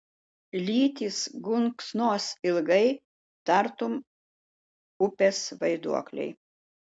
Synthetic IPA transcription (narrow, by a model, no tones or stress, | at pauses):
lʲiːt̪ʲiːsɡʊŋksnoːsɪlˠɡɐɪ | t̪ɐɾt̪ʊm | ʊpʲesʋɐɪd̪ṵɔklʲɛ̰ɪ